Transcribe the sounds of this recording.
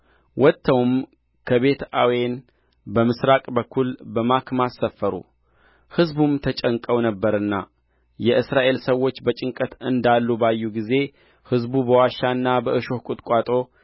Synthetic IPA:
wɔt̪ʰːəwm | kʰəβe̞t̪a̰wen | bəmɨsɾakʼbəkʰːulbəmakmasːəfːəɾṵ | hɨzbumt̪ʰət͡ʃʼəŋkʼəwnəbːəɾɨnːa | jɛɨsɾaʔe̞lsəwːo̞t͡ʃːbət͡ʃʼɪŋkʼət̪ɨnd̪alːubajːuɡize̞ | hɨzbubəwaʃanːabəɨʃo̞hkʼut̪ʼkʼat̪ʼo̞

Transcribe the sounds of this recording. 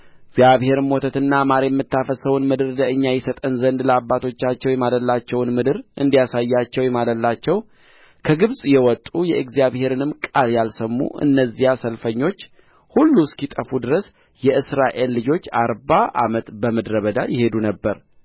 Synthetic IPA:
ɪɡzijaβhe̞ɾɨmːot̪ʰət̪ɨnːamaɾejɛmːɨt̪ːafəsəwʊnmɨd̪ɨɾləɨɲːajɛsət̪ʼənzənd̪ləabːat̪ʰo̞t͡ʃːat͡ʃːɛwjɛmaləlːat͡ʃːɛwnmɨd̪ɨɾʔɨnd̪ijasajːat͡ʃːɛwjɛmaləlːat͡ʃːɛw | kʰəɡɨβsʼjɛwɔt̪ʼujɛɨɡzijaβhe̞ɾɨnɨmkʼaljalsəmːṵʔɨ̰nːəzːihasəlfəɲːo̞t͡ʃː | hulːuskit̪ʼəfud̪ɨɾəs | jɛʔɨsɾaʔe̞lːɨd͡ʒo̞t͡ʃːaɾbaʔa̰mət̪bəməd̪ɾəβəd̪a̰jɪhe̞d̪unəbːəɾ

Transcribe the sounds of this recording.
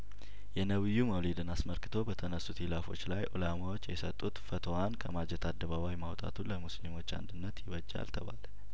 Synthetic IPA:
jɛnəβɨjːuməwlid̪ɨnasməlkɨt̪ʰo̞bət̪ʰənəsːut̪hilafo̞̰t͡ʃːlajʔo̰lamawo̞t͡ʃːjɛsət̪ʼːut̪fət̪ʰowankʰəmad͡ʒɛt̪ʰad̪ːəβaβajmawt̪ʼa̰t̪ʰuləmuslimo̞t͡ʃːa̰nd̪ɨnːət̪jɪβəd͡ʒːa̰lt̪ʰəβa̰lə

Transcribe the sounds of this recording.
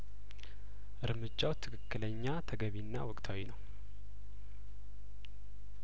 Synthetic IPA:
ʔɨɾmɨd͡ʒːawt̪ʰːɨkʰɨkːɨləɲːat̪ʰəɡəβinːa̰wɔkʼt̪ʰawinəw

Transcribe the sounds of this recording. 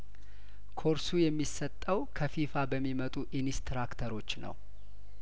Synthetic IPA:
kʰo̞ɾsujɛmːisət̪ʼːəwkʰəfifabəmːimət̪ʼuʔinist̪ɾakt̪ʰəɾo̞t͡ʃːnə̰w

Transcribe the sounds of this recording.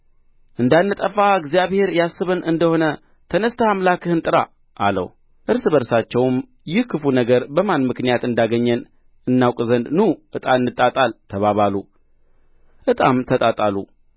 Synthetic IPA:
ʔɨnd̪anːɨt̪ʼəfaɨɡzijaβhe̞ɾjasːɨβɨnɨnd̪əho̞nə | t̪ʰənəst̪ʰəhamlakʰɨhɨnt̪ʼɨɾa̰ | ʔːlə̰w | ʔɨɾsɨbəɾsat͡ʃːɛwm | jɪhkʰːɨfunəɡəɾbəmanmɨknijat̪ɨnd̪aɡəɲːɛn | ɨnːawkʼzənd̪nuʔɨt̪ʼanːɨt̪ʼat̪ʼalt̪ʰəβaβalu | ʔɨt̪ʼamt̪ʰət̪ʼat̪ʼalṵ

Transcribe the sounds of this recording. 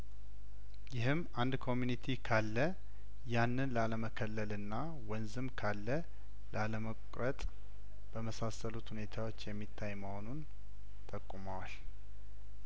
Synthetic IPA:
jɪhɨmː | and̪kʰo̞mjunit̪ʰikʰalːə | janːɨnlaləməkʰəlːəlɨnːa | wənzɨmkʰalːə | lʔaləməkʼɾət̪ʼ | b̥əməsasəlut̪hune̞t̪ʰawot͡ʃːjɛmːit̪ʰːajməho̞nun | t̪ʰʼəkʼːumawal

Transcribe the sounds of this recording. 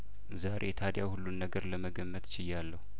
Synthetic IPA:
zaɾʔḛjt̪ʰad̪jahulːunːəɡəɾləməɡəmːət̪t͡ʃɪjːalːəhu

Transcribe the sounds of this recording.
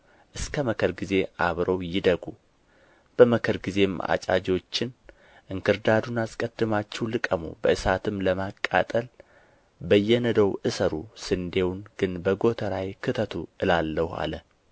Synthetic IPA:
ʔɨskʰəməkʰəɾɡize̞ʔaβɾʔəwjɪd̪əɡu | b̥əməkʰəɾɡize̞mʔa̰t͡ʃʼa̰d͡ʒo̞t͡ʃːɪn | ʔɨŋkʰɨɾd̪ad̪unaskʼəd̪̥ːɨmat͡ʃːɛwlɨkʼəmṵbəʔɨsat̪ʰɨmləmakʼːa̰t̪ʼəl | bəjːɛnəd̪əwʔɨsəɾusɨnd̪e̞wnɡ̥ɨnbəɡo̞t̪ʰəɾajkʰɨt̪ʰət̪ʰuʔɨlalːəha̰lə

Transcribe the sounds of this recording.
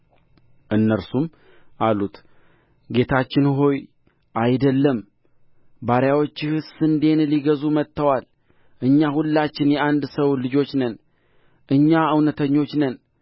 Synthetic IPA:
ʔɨnːəɾsum | ʔalut̪ | ɡe̞t̪ʰat͡ʃːɪnɦo̞j | ʔajd̪əlːəm | baɾjawo̞t͡ʃːhɨsɨnd̪e̞nliɡəzumət̪ʰːəwal | ʔɨɲːahulːat͡ʃːɪnjɛʔand̪səwlɨd͡ʒo̞t͡ʃːnən | ʔɨɲːaɨwnət̪ʰəɲːo̞t͡ʃːnən

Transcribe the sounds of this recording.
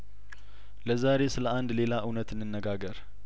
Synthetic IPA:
ləzaɾe̞sɨləʔand̪le̞laʔɨwnət̪ɨnːɨnːəɡaɡəɾ

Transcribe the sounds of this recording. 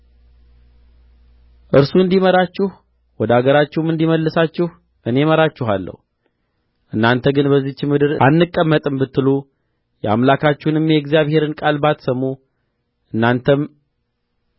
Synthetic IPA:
ʔɨɾsuɨnd̪iməɾat͡ʃːɪh | wɔd̪əaɡəɾat͡ʃːɪhmɨnd̪iməlːəsat͡ʃːɪh | ʔɨne̞məɾat͡ʃːɪɦalːə̰hu | ʔɨnːant̪ʰəɡɨnbəzːit͡ʃːɪmɨd̪ɨɾʔanːɨkʼːəmːət̪ʼɨmbɨt̪ːɨlu | jɛamlakʰat͡ʃːɪhnɨmjɛɡzijaβhe̞ɾɨnkʼalbat̪səmu | ʔɨnːant̪ʰəm

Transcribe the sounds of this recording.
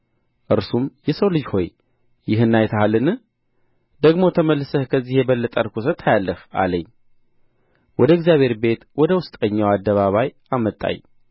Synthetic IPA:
ʔɨɾsumjɛsəwlɨd͡ʒho̞j | jɪɦɨnːajt̪ʰəhalɨnɨ | d̪əɡmo̞t̪ʰəməlːsəhkʰəzːihjɛbəlːət̪ʼəɾkʰusət̪ʰajalːəha̰ləɲː | wɔd̪əɪɡzijaβhe̞ɾbe̞t̪wɔd̪əwʊst̪ʼəɲːawad̪ːəβaβaj | amət̪ʼːa̰ɲ

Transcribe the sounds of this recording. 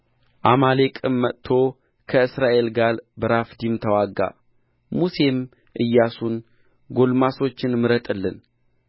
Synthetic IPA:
ʔamale̞kʼɨmːət̪ʰːo̞ | kʰəɨsɾaʔe̞lɡalbəɾafd̪imt̪ʰəwaɡːa̰ | muse̞m | ʔɨjːasun | ɡo̞lmaso̞t͡ʃːɪnmɨɾət̪ʼɨlːɨn

